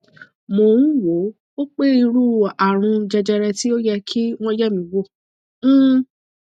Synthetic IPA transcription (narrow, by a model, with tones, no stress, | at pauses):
mo˧˨ɾũ˦wo˨˦ | o˦k͡pe˦i˧ɾu˦˨a˨ɾ̃ũ˧d͡ʒɛ˧d͡ʒɛ˧ɾɛ˧ti˦o˦jɛ˧kʰi˦w̃ɔ̃˦jɛ˦˨mĩ˨˦wo˦˨˦